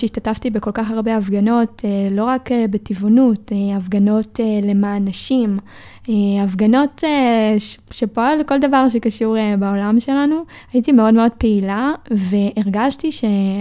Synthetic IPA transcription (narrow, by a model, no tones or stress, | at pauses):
eiʃtataftibe̞ko̞lkaχaʁbe̞avɡano̞telo̞ʁakebetivonuteavɡano̞tele̞manaʃim | eavɡano̞te | ʃe̞poleko̞ld̪avaʁʃ̬e̞kaʃuʁebao̞lamʃe̞lanu | ajitime̞o̞dme̞o̞d̚peilave̞ʔeʁɡaʃtiʃe̞